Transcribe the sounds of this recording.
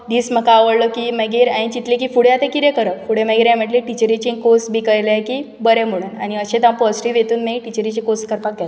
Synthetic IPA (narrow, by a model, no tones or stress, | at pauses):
d̪iːsm̤əkaːʋəɽləkimɛɡiɾaĩt͡ɕit̪likiːfuɽ̤jat̪ẽkiɾẽkəɾəfuɽ̤emɛɡiɾãməʈliʈit͡ɕəɾit͡ɕĩkosbʱikəjlekiː | bəɾem̤əɽ̃uːna̰ɽ̃iəɕẽt̪ãpəsɾiʋet̪uːnmiʈit͡ɕəɾit͡ɕikoskəɾpak̚at̪